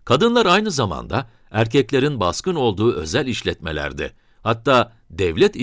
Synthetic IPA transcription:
kʰad̪ɯnlˠaɾajnɯzama̰nd̪a | æɾcɛclʲe̞ɾinbaskɯno̞lˠd̪uːʔø̞̰zælʲiʃlʲɛt̪me̞̰lʲæ̰ɾd̪ɪ̰ | hat̪ːaː | d̪ɛvlʲɛt̪

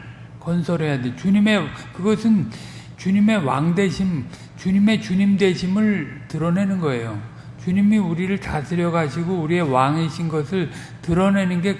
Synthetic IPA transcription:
kʌnsʰʌɾɦe̞jadet͡ɕuɲime̞kɯɡʌsʰɯn | t͡ɕuɲime̞wa̰ŋde̞ɕʰim | t͡ɕuɲime̞t͡ɕuɲimdwe̞ɕʰimɯɭtɯɾʌne̞nɯnɡʌe̞jo | t͡ɕuɲimiuɾiɾɯɭt͡ɕasʰɯɾjʌɡaɕʰiɡouɾie̞waŋɦeɕʰinɡʌsʰɯɭ | tɯɾʌne̞nɯnɡe̞

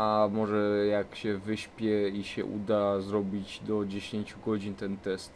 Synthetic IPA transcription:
amɔʐɛjakɕɛvɘɕpʲjɛiɕɛ̰ʔṵd̪azɾɔbʲid͡ʑd̪ɔd͡ʑeɕeɲt͡ɕuɡɔd͡ʑinʲt̪ɛnt̪ɛst̪

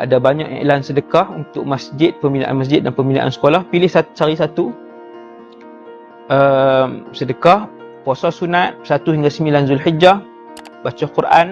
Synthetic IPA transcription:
ʔa̰dabaɲa̰ʔa̰ḛlansədəkahunt̪ʊk̚masd͡ʒɪt̪̚pəmbina̰ʔa̰nmas̬d͡ʒɪt̪̚danpəmbina̰ʔa̰nsə̥kolahpilɪhsat͡ʃaɾisat̪u | əmsədəkah | pɔsɔsunat̪̚sat̪uhiŋɡasəmilanzʊlhid͡ʒa | bat͡ʃakurʔa̰n

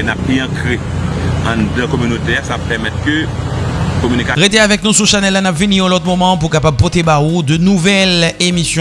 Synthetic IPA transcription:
napiɑ̃kʁe | ɑ̃d̪ãkomynot̪easapɛʁmɛt̪kø | komynikaʁet̪eavɛk̚nusuʃanɛlːanapviniʁɛ̃lɔt̪̚mɔmɑ̃p̬uʁkapab̚pɔt̪ebaud̪ənuvɛlemisjɔ̃

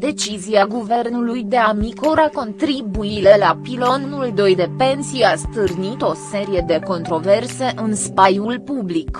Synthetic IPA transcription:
d̪e̞t͡ʃiziaɡuve̞rnulujd̪e̞amikoɾako̞nt̪ɾibuile̞lapilo̞nnuld̪o̞jd̪e̞pe̞nsijast̪ɨrnit̪o̞se̞ɾije̞d̪e̞ko̞nt̪ɾo̞ve̞rse̞ʔɨnspajulpublik

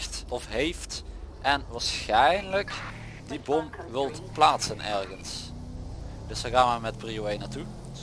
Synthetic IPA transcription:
tɔfɦejftʔɛnʋaːɹsxɛjnlək | dibɔmʋɪlˠtplaːtsənɛ̰ɹɣəns | d̥ɵsəɣaːnəaːmɛtprioejnaːɹtu

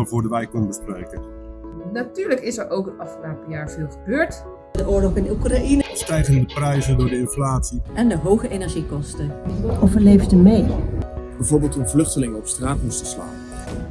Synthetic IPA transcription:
lˠvʊːɹdəʋɛjkɔnəbəsprejkən | natyːɹləkɪsɛɹʔowkətɑfnaːpəjaːɹvɪːlˠχəbøːɹt | dəʔʊːɹlɔχɪnukrainəstɛjtindəprɛjzəndʊːɹdəɪnflaːtsiʔɛndəɦowχəʔenɛɹʒikɔstəovəɹlejfdəmejb̥ɛjvoːɹbɪːlˠtənvlɵχtəlɪŋəɔpstraːtmustəsla̰ːn

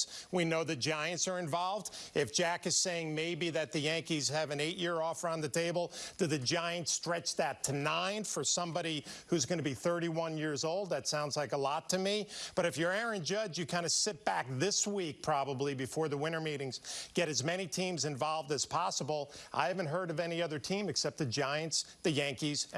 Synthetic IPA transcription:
winoʊðɨd͡ʒaɪɨ̃ntsə˞ɨ̃ɱvɑlˠvdɪfʒ̥ækɨz̥seɪɪ̃ŋmeɪbiðɨt̪̚ðɨjæ̃ŋkiz̥ɨvɨ̃neɪʔjɪɹɔfə˞ə̃nðɨtʰeɪbl̩ˠd̥ɨðɨd͡ʒaɪɨ̃ntstɹ̥ɛt͡ʃðɨtʰɨnãɪ̃nfə˞sʌ̃mbɑɾihʉzɡʌnɨbiθɜ˞ɾiwʌ̃njɪɹzoʊlˠd̪̚ðɨtsãʊ̃ndzlaɪkəlɔtʰɨmib̥ʌɾɨfjə˞ɛɹɨ̃nd͡ʒʌd͡ʒjɨkʰãɪ̃ndɨsɪt̚b̥æk̚ðɪswik̚pʰɹ̥ɑbəblibɨfɔɹðəwɪ̃ñə˞miɾɪ̃ŋz̥ɡ̥ɛɾɨzmɛñitʰĩmzɨ̃ɱvɑlˠvdɨz̥pʰɑsəbl̩ˠʔa̰ɪhævɨ̃ntɦɜ˞ɾʌvɛniʌðə˞tʰĩmɨksɛp̚t̪̚ðɨd͡ʒaɪɨ̃ntsðɨjæ̃ŋkiz̥

